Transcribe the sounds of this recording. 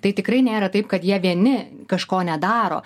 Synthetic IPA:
t̪ɐɪt̪ʲɪkɾɐɪnʲeːɾɐt̪ɐɪp̚kɐt̪jiɛʋʲiɛnʲɪ | kɐʃkoːnʲɛd̪ɑːɾo̰ː

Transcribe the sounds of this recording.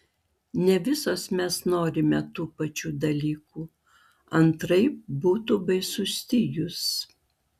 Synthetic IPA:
nʲɛʋʲɪsoːsmʲɛsnoːɾʲɪmʲɛt̪uːpɐt͡ʃʲuːd̪ɐlʲiːkuː | ɐnt̪ɾɐɪbuːt̪ubɐɪsʊsʲt̪ʲɪjʊs

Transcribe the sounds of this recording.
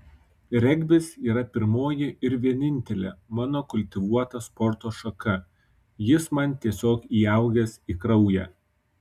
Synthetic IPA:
ɾʲɛɡʲbʲɪsiːɾɐpʲɪɾmoːjɪɪɾʋʲiɛnʲɪnʲt̪ʲɛlʲḛːmɑːnoːkʊlʲt̪ʲɪʋuɔt̪ɐspɔɾt̪oːʃɐkɐ | jɪsmɐnʲt̪ʲiɛsʲoːkiːɐˑʊɡʲɛsiːkɾɐʊjæ̰ː

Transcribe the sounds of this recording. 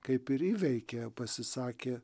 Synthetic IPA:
kɐɪpɪɾiːʋʲɛɪkʲepɐsʲɪsɑːkʲeː

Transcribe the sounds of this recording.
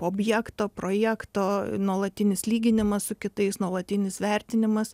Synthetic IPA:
oːbʲjæːkt̪oːpɾoːjæːkt̪oːnuɔlˠɐt̪ʲɪnʲɪslʲiːɡʲɪnʲɪmɐssʊkʲɪt̪ɐɪsnuɔlˠɐt̪ʲɪnʲɪsʋʲɛɾʲt̪ʲɪnʲɪmɐs

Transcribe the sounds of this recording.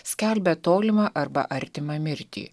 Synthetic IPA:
sʲkʲɛlʲbʲɛt̪oːlʲɪmɑʔɐɾbɐ̰ʔɐɾʲt̪ʲɪmɐmʲɪɾʲt̪ʲḭː

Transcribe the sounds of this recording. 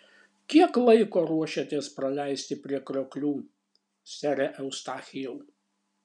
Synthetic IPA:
kʲiɛklˠɐɪkoːɾuɔʃʲɛt̪ʲeɛspɾɐlʲæˑɪsʲt̪ʲɪpʲɾʲiɛkɾʲoːklʲuː | sʲæɾʲɛʔɛʊst̪ɑːxʲɪjɛʊ

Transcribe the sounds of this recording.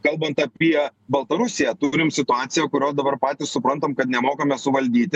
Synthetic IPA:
kɐlˠbɐnt̪ɐpʲiɛbɐlˠt̪ɐɾʊsʲɪjæt̪ʊɾʲɪmsʲɪt̪ʊɑːt̪sʲɪjɛːkʊɾʲoːd̪ɐbɐɾpɑːt̪ʲɪssʊpɾɐnt̪omkɐt̪nʲɛmoːkɐmʲɛsʊʋɐlʲd̪ʲiːt̪ʲɪ

